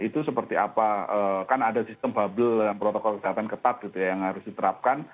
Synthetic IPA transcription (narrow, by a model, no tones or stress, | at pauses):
it̪usəpərt̪iapaəːkanadasist̪əmbabəldalampɾot̪ɔkɔlkəseɦat̪ankət̪at̪̚ɡit̪ujajaŋhaɾʊsdit̪əɾap̚kan